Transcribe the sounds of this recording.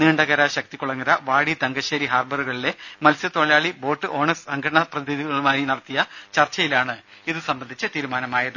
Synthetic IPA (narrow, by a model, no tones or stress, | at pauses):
niːɳɖɐɣɐɾaɕɐk̚t̪ikːuɭɐŋːɐɾɐʋaːɽid̪ɐŋɡɐɕeːɾiɦaːrbɐruɣɐɭile̞mɐlsɐt̪o̞ɭɐjaːɭibo̞ːʈːɨʔo̞ːɳɐsɐŋɡʱɐɐɳɐprɐðiiðiɣɐɭumaːjinɐɽɐt̪ːijɐt͡ɕɐrt͡ɕːɐjilaːɳɨiðɨsɐmbɐnd̪ʱit͡ɕːɨt̪iːɾumaːnɐmaːjɐðɨ